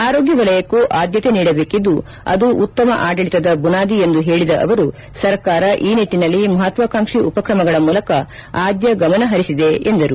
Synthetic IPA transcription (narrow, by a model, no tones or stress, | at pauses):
aːɾo̞ːɡjɐʋɐlɐjɐkuʔaːd̪jɐt̪eniːɽɐbe̞ːkid̪ːu | ɐ̰d̪uʔːt̪ːɐmɐʔaːɖɐɭit̪ɐd̪ɐbunaːd̪ie̞nd̪uɦe̞ːɭid̪ɐʔɐ̰ʋɐɾu | sɐɾkaːɾɐʔiːniʈːinɐlːimɐɦɐt̪ʋaːkaːŋʂiupɐkɾɐmɐɡɐɭɐmuːlɐkɐ | aːd̪jɐɡɐmɐnɐɦɐɾisid̪e̞end̪ɐɾu